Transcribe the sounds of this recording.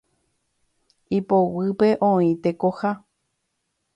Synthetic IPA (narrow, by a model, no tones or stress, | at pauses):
ipowɨpe̞ʔõĩt̪ekoha